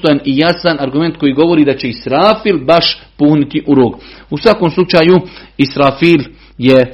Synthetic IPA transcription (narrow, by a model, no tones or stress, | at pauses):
t̪ojanijasanaɾɡume̞nt̪̚ko̞jiːɡo̞ʋo̞ɾiːd̪at͡ɕe̞isɾaːfilbaʃpuːhnit̪iʔuɾoːɡusʋakoːmslˠut͡ʃaːjuisɾaːfiːl | je